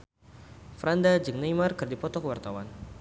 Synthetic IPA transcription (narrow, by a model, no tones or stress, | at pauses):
fɾandad͡ʒɨŋnajmarkɨrdipɔt̪ɔkəwart̪awan